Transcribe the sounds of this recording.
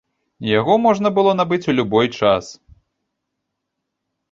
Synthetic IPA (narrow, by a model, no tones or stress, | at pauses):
jaɣɔmɔʐnɐbɨlˠɔnabɨt͡sʲulʲubɔjt͡ʂas